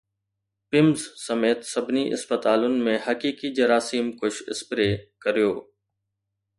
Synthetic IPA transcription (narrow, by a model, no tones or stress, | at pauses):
pɪmzsəmeːt̪səbʱniʔɪ̰spət̪aːlʊnɪ̆mẽhəkiːkid͡ʒəɾaːsiːmkʊʃɪ̰spɾeːkəɾijoː